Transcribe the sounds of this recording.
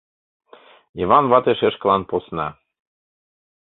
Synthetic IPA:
ivɑnvɑt̪eʃeʃklˠɑnposnɑ

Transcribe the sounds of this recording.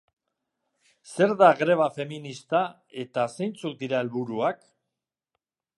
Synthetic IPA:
se̞ɾðaɣɾe̞β̞afe̞minist̪a | e̞t̪ase̞jnt͡suk̪̚d̪iɾae̞lβuɾuak

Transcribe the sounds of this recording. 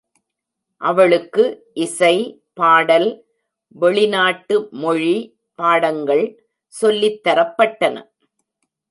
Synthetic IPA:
ʔɐʋɐɭɯkːɯʔɪsɐɪ | paːɽɐl | ʋɛɭɪnaːʈːɯmɔɻi | paːɽɐŋɡɐɭ | sɔlːɪt̪ːɐɾɐpːɐʈːɐnɐ̰

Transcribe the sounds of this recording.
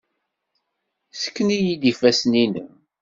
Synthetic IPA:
sə̥kːənijid̪ifæsninə̰

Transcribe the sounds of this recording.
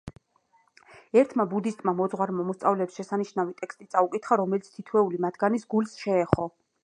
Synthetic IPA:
ɛɾt̪ʰmabud̪ist̪ʼmamɔd̪zʁwaɾmamɔst̪sʼavlɛpsʃɛsaniʃnavit̪ʼɛkst̪ʼit̪sʼaukʼit̪ʰχaɾɔmɛlit̪sʰt̪ʰit̪ʰwɛulimad̪ʰɡanisɡulsʃɛːχɔ

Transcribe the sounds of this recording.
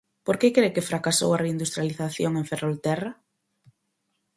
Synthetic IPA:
poɾkekɾejkɪfɾakaso̰wareind̪ust̪ɾjaliθaθjoŋẽŋferolt̪ɛra

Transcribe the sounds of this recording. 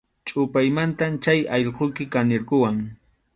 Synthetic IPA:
t͡ʃʼʊpajmant̪amt͡ʃajɑʎqojkɪkanɪɾkʊwaŋ

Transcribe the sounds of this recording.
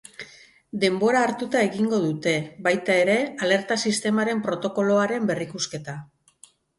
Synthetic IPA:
d̪e̞mbo̞ɾaːɾt̪ut̪ae̞ɣiŋɡo̞ðut̪e̞βajt̪ae̞ɾe̞ale̞ɾt̪asist̪e̞maɾe̞mpɾo̞t̪o̞ko̞lo̞aɾe̞mbe̞rikuske̞t̪a

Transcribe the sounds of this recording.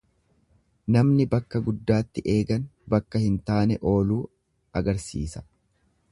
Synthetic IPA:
nɐmnɪbɐkːɐɡʊd̪ːaːt̪ːɪʔe̞ːɡɐnbɐkːɐhɪnt̪aːnɛʔo̞ːluː | ɐɡɐɾsḭːsɐ̥

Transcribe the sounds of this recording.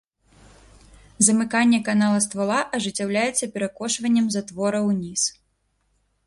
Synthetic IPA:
zɐmɨkanʲːɛkanalˠɐst̪valˠaʔɐʐɨt͡sʲːawlʲajɛt̪sːɐpʲɛɾakɔʂvɐnʲːɛmzat̪vɔɾɐwnʲis

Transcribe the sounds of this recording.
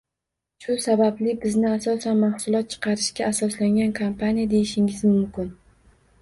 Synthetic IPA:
ʃʊsabablɪbɪznɪasɒsanmahsʊlˠɒt̪̚t͡ʃʰɨ̥qʰɑɾɪʃkʲaːsɒslaŋɡʲankʰompʰanijad̪e̞jɪʃɪŋɪzmʊmkʲɪn

